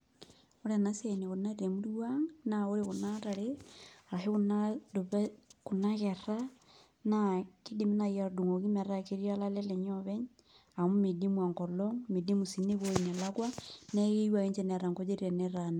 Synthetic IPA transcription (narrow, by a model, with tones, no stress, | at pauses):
o˦ɾena˦se˨ne˨ɣo˨na˦ɾiɾe˨mu˦ɾiwaŋnao˦ɾeɣonaɾa˨ɾeɾa˨he˦ɣunadoβeku˨naɣe˨ɾa | naki˦di˨mi˦na˨ja˨du˨ŋo˨ɣi˦me˨ɾa˦ke˦ɾia˦la˦le˦leɲɔβe˦ɲ | a˨mu˦me˨di˦mwa˨ŋkɔ˨lɔŋme˨di˦mu˨si˨ne˦βoi˨ne˨laɣwane˦ɣe˦wa˨ɣe˦ɲt͡ʃe˦ne˨ɾa˨ŋɡo˦t͡ʃe˦ɾiɾe˨neɾana˨